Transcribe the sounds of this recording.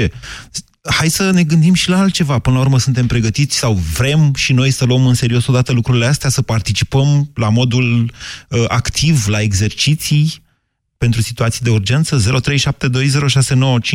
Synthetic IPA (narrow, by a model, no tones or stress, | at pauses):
e | hajsəne̞ɡɨnd̪imʃilaalt̪̚t͡ʃe̞vapɨnlaurməsunt̪e̞mpɾe̞ɡət̪it̪sʲsawvɾe̞mʃino̞jsəluəmɨnse̞ɾio̞so̞d̪at̪əlukɾuɾileast̪easəpart̪it͡ʃipəmlamo̞d̪uləakt̪ʰivlae̞ɡze̞rt͡ʃit̪sij | pe̞nt̪ɾusit̪uat̪sijd̪e̞urd͡ʒe̞nt̪səze̞ɾʔo̞t̪ɾe̞jʃap̚t̪e̞d̪o̞jze̞ɾo̞ʃase̞no̞wət͡ʃi